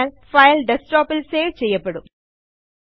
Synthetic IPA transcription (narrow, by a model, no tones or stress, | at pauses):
ŋfɐjlɖesʈɔːpːɪlseːʋt͡ɕɛjːɐpːɐɽum